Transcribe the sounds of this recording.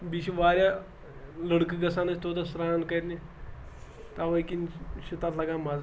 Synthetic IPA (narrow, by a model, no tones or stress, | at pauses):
biʃiʋaːɾʲja | ləɽkɨɡɐsaːnɐt͡ʃʰt̪ʰoːt̪ɐsɾaːnkɐjt̪ni | t̪aʋɐkinʃit̪aːt̪ʰlɐɡaːmaz